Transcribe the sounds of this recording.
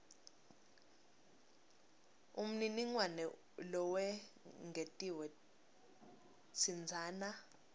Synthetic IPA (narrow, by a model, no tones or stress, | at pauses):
um̩niniŋwanɛ | lɔwɛ | ŋɡʱetʼiwɛ | t͡sʰind͡zʱaːna